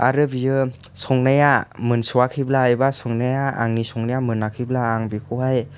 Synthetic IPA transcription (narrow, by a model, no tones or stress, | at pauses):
a̰ɾɯbijɯ | sɔŋnajamɯnsuwakʰiblaajbasɔŋnajaa̰ŋnisɔŋnajamɯnakʰiblaːŋbikʰuɦaj